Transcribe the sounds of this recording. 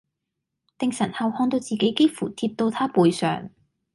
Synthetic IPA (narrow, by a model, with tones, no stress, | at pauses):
t̪ɪ˨ŋsɐ˨˩nhɐ˨˧whɔː˧ŋt̪o˧wt͡siː˨ke˨˥jke˥fuː˨˩t̪ʰiː˧p̚t̪o˧wt̪ʰaː˥puː˨jsœ̰ː˨˩ŋ